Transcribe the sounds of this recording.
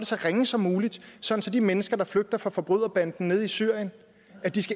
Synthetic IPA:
dəsɒʁeŋəsɒ̽mːuːlid̥sɒ̽dn̩sɒ̽d̥imenəsɡ̥ɐd̥ɑ̈fløɡ̥̚d̥ɐfʁɑ̈fɒ̽b̥ʁyð̰ˠɐb̥æn̰d̥n̩nːe̝ð̞ˠisyɐ̰jən | æd̥isɡ̥æ

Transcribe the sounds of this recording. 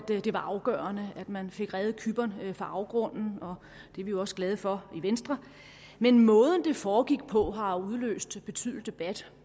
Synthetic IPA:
d̥d̥e̝ʋɑ̈ʔɑ̈ʊɡ̥ɶ̰ːɐnəæd̥mænfe̝ɡ̥ʁɛːð̞ˠkʰyb̥ɐnfɑ̈ʔɑ̈ʊɡ̥ʁɔ̽n̰n̩ɒ̽ | d̥e̝ɐʋijoɒ̽sɡ̥lɛːð̞̩ˠfɒ̽iʋensd̥ʁɐ | menmɔ̽ːð̞ˠən̩d̥e̝fɒːɡ̥iɡ̥pʰɒ̽ɦɑ̈uð̞ˠlø̰ːsd̥b̥e̝t͡sʰy̰ð̩ˠdd̥e̝b̥æd̥

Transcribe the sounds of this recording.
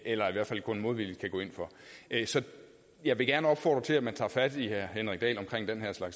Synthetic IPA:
ʔelɐiʋæɐ̥fæl̰kʰɔ̽nmo̝ːð̞̩ˠʋikʰæɡ̥ɔ̰ːe̝nfɒ̽ʔsɒ̽ | jɑ̈ɪʋe̝ɡ̥æɐnəɒ̽b̥fɒ̰ːd̥ʁɐt͡sʰe̝læmænt͡sʰɑ̰̈ːfæd̥ihæɐ̰henʁɛɡ̥̚d̥ɛ̰ːlɒ̽mkʰʁeŋ̰d̥enɦeɐ̰slɑ̈ɡ̥s

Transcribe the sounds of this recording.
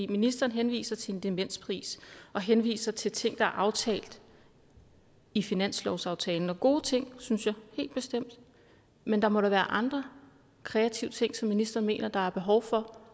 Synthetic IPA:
ḭːminisd̥ɐːn̩ɦenʋḭːsɐt͡sʰe̝e̝nd̥emen̰spʰʁḭːsɒ̽ɦenʋḭːsɐt͡sʰe̝lt͡sʰe̝ŋ̰d̥ɑ̈æɐʔɑ̈ʊt͡sʰɛ̰ːld̥ | ifinæn̰slɒʊsɑ̈ʊt͡sʰɛːln̩ɒɡ̥o̝ːt͡sʰe̝ŋ̰synsjɑ̈ɪhe̝̰ːld̥̚b̥e̝sd̥em̰d̥ | mend̥ɑ̈mɒ̽ɾæʋæːɐʔɑ̈nd̥ʁɐ | kʰʁɛæt͡sʰiʊət͡sʰe̝ŋ̰sɒ̽mːinisd̥ɐːn̩me̝̰ːnɐd̥ɑ̈æɐb̥e̝ɦɒʊfɒ̽

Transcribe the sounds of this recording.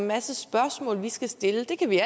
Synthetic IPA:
nmæsəsb̥ɶɐsmɔ̰ːlʋisɡ̥æsd̥e̝ləd̥e̝kʰæʋiæ

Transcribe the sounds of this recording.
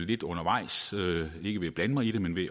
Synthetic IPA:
le̝d̥ɔ̽nɐʋɑ̈ɪ̰søe̝ɡ̥əʋe̝æb̥lænəmɑ̈ɪid̥e̝menʋe̝

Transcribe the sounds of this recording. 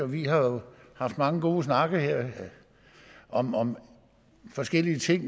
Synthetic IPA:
ɒʋihɑ̈jo̝hɑ̈fd̥mɑ̈ŋəɡ̥o̝ːsnɑ̈ɡ̥əheɐ̰ | ʔɒ̽mɒ̽m | fɒ̽sɡ̥el̰iət͡sʰe̝ŋ̰

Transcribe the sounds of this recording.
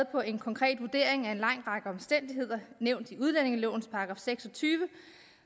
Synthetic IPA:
ð̩ˠpʰɒ̽ʔe̝nkʰɒ̽ŋkʰʁɛ̰ːd̥ʋuɐd̥e̝ɐ̰e̝ŋæe̝nlɑ̈ŋ̰d̥ʁɑ̈ɡ̥əɒ̽msd̥en̰d̥iɦe̝ð̞̰ˠɐneʊ̰nd̥iuð̞ˠlæn̰e̝ŋəlɔʊn̩spʰɑ̈ɡ̥ʁɑ̰̈ːfseɡ̥sɒ̽t͡sʰyːʋə

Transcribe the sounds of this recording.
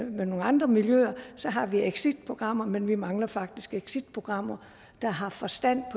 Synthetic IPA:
meno̝ːŋɑ̈nd̥ʁɐmiljøɐsɒ̽ɦɑ̈ʋieɡ̥sid̥pʰʁo̝ɡ̥ʁɑ̈m̰ɐmenʋimɑ̈ŋlɐfɑ̈ɡ̥̚d̥isɡ̥eɡ̥sid̥̚pʰʁo̝ɡ̥ʁɑ̈m̰ɐ | d̥ɑ̈ɦɑ̈fɒ̽sd̥æn̰pʰɒ

